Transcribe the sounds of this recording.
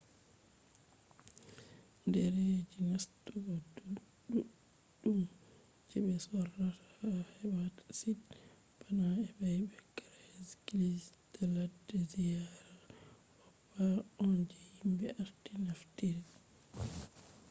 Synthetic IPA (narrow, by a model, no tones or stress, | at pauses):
ndɛɾed͡ʒinastuɡɔduɗuɗː | um | d͡ʒɛɓɛsɔratḁahɛbatḁsid | banaɛbɛjbɛkːaɾskilistɛladːɛzijaɾa | hɔpːaɔnd͡ʒɛhimbɛʔaɾtinaftiɾi